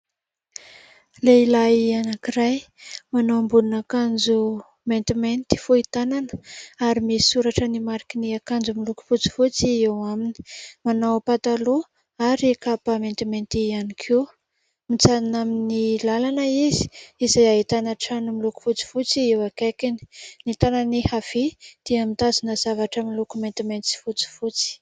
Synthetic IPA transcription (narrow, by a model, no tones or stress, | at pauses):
leilaianakiɾaj | manoambulunakand͡zu | ment̪iment̪i̥foit̪ananə̥aɾimisi̥suɾaʈ͡ʂənimaɾikiniakand͡zumiluku̥fut͡si̥fut͡siewamini̥manawpat̪alo | aɾikapəment̪iment̪ianikʰew | mit͡sanaminilalanəizi̥izajaɦit̪anaʈ͡ʂanimiluku̥fut͡si̥fut͡siewakekini̥nit̪ananihav̥id̪̥iamint̪azinəz̥avaʈ͡ʂəmilukument̪iment͡s̪i̥fut͡si̥fut͡si̥